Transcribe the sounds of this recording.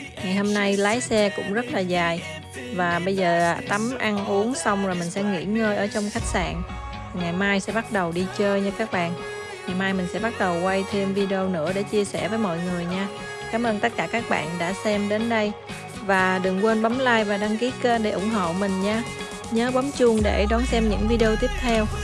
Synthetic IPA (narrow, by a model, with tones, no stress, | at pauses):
ŋa˨˩jho˧mna˧jlaː˨˦jsɛ˧kʊ̰˧˥ŋ͡mzə˦˥t̚laː˨˩zaː˨˩j | vaː˨˩ɓə˧jzəː˨˩a̰˨˧˩t̪a˨˦mʔa˧nʔu˨˦əŋsa˧wŋ͡mzo˨˩jmï˨˩ŋ̟sɛ̰˧˥ŋḭ˧˥ŋəː˧jʔəː˧˩t͡ɕɔ˧wŋ͡mxa˦˥jk̟̚sa̰ː˧˨n˨˩ | ŋa˨˩jmaː˧jsɛ̰˧˥ɓa˦˥t̚ɗə˨˩wɗi˧t͡ɕəː˧jɲɨ˧kaː˦˥k̚ɓa̰ː˧˨n | ŋa˨˩jmaː˧jmï˨˩ŋ̟sɛ̰˧˥ɓa˦˥t̚ɗə˨˩wkwa˧jt̪ʰe˧mvi˧ɗi˧o˧nɨ̰˧˥əɗe˧˩t͡ɕi˧əsɛ˧˩vəː˨˦jmɔ̰˧˨jŋɨ˨˩əjɲaː˧ | kaː˨˦mʔəː˧nt̪ə˦˥t̚kaː˧˩kaː˦˥k̚ɓa̰ː˧˨nɗa̰ː˧˥sɛ˧mɗe˨˦nɗə˧j | vaː˨˩ɗɨ˨˩ŋkwe˧nɓa˨˦mlaː˧jvaː˨˩ɗa˧ŋki˨˦ke˧ɗe˧˩ʔʊ˧˩ŋ͡mɦo̰˧˨mï˨˩ŋ̟ɲaː˧ | ɲəː˨˦ɓɔ˨˦mt͡ɕʊ˧ŋɗe˧˩ɗɔ˨˦nsɛ˧mɲɨ̰˧˥ŋvi˧i˧o˧t̪i˦˥əp̚t̪ʰɛ˧w